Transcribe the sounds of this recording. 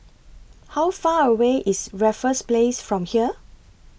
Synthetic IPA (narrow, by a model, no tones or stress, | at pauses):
hawfaːəweʔisɹɛfə̃splesfɹɔ̃mhiə